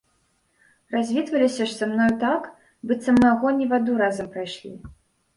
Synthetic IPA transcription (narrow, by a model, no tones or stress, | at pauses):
razʲvʲit̪vɐlʲisʲɐʂtsamnɔjt̪ak | bɨt̪sɐmnaaɣɔnʲivad̪uɾazɐmpɾajʂlʲḭ